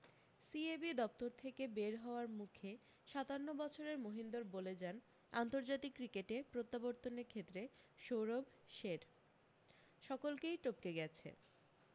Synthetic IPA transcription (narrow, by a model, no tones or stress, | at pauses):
siebid̪ɔp̚t̪oɾt̪ʰekebeɾɦɔoaɾmukʰe | ʃat̪anːobɔt͡ɕʰoɾeɾmoɦind̪oɾboled͡ʑan | a̰nt̪oɾd͡ʑat̪ikːɾikeʈepɾot̪ːaboɾt̪oneɾkʰet̪ːɾe | ʃowɾob | ʃeɾ | ʃɔkolkejʈop̚keɡɛt͡ɕʰḛ